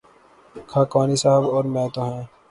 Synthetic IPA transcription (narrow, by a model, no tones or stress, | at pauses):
kʰaːkaːnisaːɦəbɔːɾmɛ̃ːt̪oːɦɛ̃ː